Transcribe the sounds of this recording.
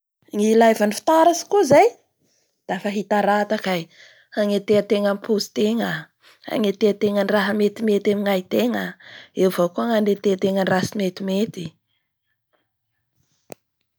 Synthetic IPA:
ŋilajvanifi̥t̪aɾasi̥kuzaj | d̪̥afaɦit̪aɾat̪akaj | aŋet̪eət̪eŋəmpʰuzi̥t̪eŋə | a̰ŋet̪eat̪eŋənraɦəmet̪imet̪emiŋait̪eŋəewvakuaŋand̪et̪et̪eŋənrasimet̪imet̪i̥

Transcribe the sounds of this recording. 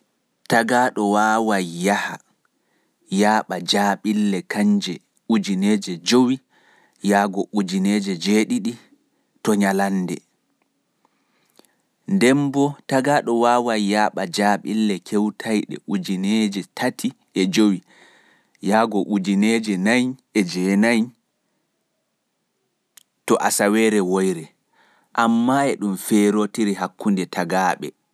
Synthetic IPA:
taɡaːɗɔwaːwajːaha | jaːɓad͡ʒaɓilːɛkaɲd͡ʒɛ | ud͡ʒineːd͡ʒɛd͡ʒowi | jaːɡɔʔud͡ʒineːd͡ʒɛd͡ʒeːɗiɗi | tɔɲalandɛ̰ | ndɛmbɔtaɡaɗɔwaːwajjaːɓad͡ʒaːɓilːɛkʰewtʰajɗɛ̰ʔud͡ʒined͡ʒɛtʰatʰi | ɛd͡ʒowi | jaɡɔʔud͡ʒined͡ʒɛnajɛd͡ʒɛnaj | tɔʔasawɛːɾɛwojɾɛ | ʔamːaɛɗumfɛɾotiɾiɦakːundɛtʰaɡaːɓɛ̰

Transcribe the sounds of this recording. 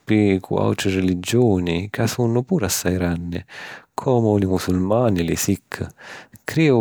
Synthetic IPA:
pikʰw̰a̰wt͡ʃɪrelid͡ʒɔːnikasunːʊpuːɾasːajɾanːɪ̰kʰɔːmʊlɪmusulmaːnilɪsikʰːkʰɾiːʊ

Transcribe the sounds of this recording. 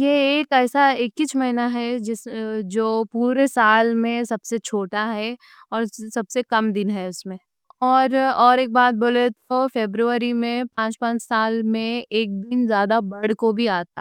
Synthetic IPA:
jeːkɛːsaeːkːɪt͡ʃmɐɦinaɦɛd͡ʒɪsd͡ʒoːpuːɾesaːlmẽsɐbset͡ʃʰoːʈaɦɛ | ɔːɾsɐbsekɐmd̪ɪnɦɛʊsmẽ | ɔːɾɔːɾeːk̚baːt̪̚boːlet̪ofeːbɾuəɾimẽpãːt͡ʃpãːt͡ʃsaːlmẽeːk̚d̪ɪnzjaːd̪abɐɽkobʱiaːt̪a

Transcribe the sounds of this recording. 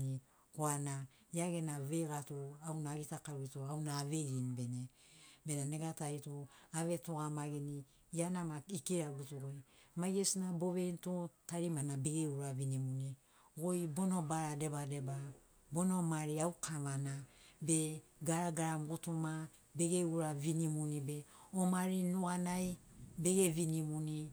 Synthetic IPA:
i | koana | iaɡe̞naβeɡatoawnaɡitakaɾuitoawnaːβeɾinbe̞ne | be̞naneɡataitoaβe̞toɡamaɡini | ianamaikiɾaɡutuɡojmajesinaboβentotaɾimanabeɡeuɾaβinimuni | ɡojbonobaɾade̞bade̞ba | bonomaɾiaukʰaβanabeɡaɾaɡaɾamɡutuma | be̞ɡeuɾaβinimunibe̞omaɾinuanajbe̞ɡeβinimuni

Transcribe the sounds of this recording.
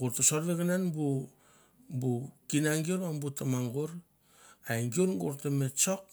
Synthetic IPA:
ɡuɾtasoɾliɡananbu | bukinaŋɡioɾambutamaŋɡuɾ | ajŋɡiuɾɡṵɾtamet͡ʃok̚

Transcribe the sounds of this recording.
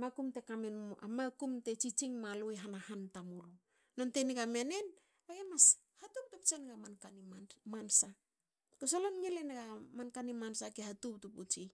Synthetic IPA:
makumte̞kamena̰makumte̞t͡ʃit͡ʃiŋmalojɦanahantamulu | nonte̞niɡamene̞n | aɡemas | hatup̚tupt͡ʃenɡamankanimamansa | kos̬olonɲilenɡamankanimansakehatup̚tuput͡ʃi

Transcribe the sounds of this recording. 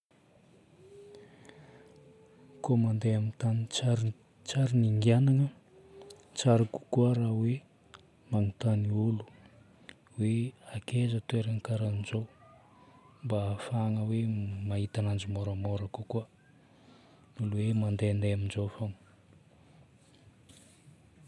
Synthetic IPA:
komand̪eamint̪aniaɾ | t͡saɾiniŋɡianaŋə | t͡saɾaku̥kuəɾawe | maŋut̪aniulu̥ | weakezət̪ueɾəŋikaɾanizow | mbafaŋəwemaɦit̪anand͡ʒumoɾamoɾakukuə | nuluwemand̪eand̪eaminzowfoŋ

